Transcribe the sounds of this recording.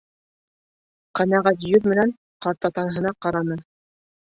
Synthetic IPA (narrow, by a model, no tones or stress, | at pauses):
qænæʁæt̪jɵt̪mɘ̆næn | qɑɾt̪ɑt̪ɑɾɦɤ̆nɑqɑɾɑnɤ